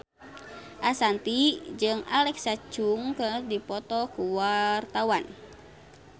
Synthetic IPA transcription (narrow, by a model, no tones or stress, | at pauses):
ʔasant̪id͡ʒɨŋa̰lɛksat͡ʃuŋkədipɔt̪ɔkuwart̪awan